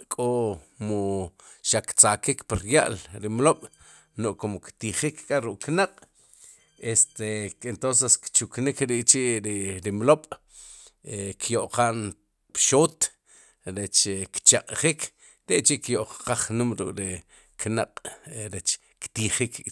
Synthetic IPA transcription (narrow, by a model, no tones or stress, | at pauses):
kʼomo | ʃakt͡sakikpiɾja̰ʔlɾimloɓ̥ | noʔkomokt̪iχikkʼaɾuʔʼknaqʼ | est̪eent̪ons̬eskt͡ʃuknikɾiʔt͡ʃiʔɾiɾimloɓ̥ | ekʰjoʔqaːn | pʃoːt̪ | ɾet͡ʃkt͡ʃaqʼχiːkʰ | t̪eʔt͡ʃiʔkjoʔqqaχnumɾukʼɾi | knaqʼɾet͡ʃ | kt̪iχik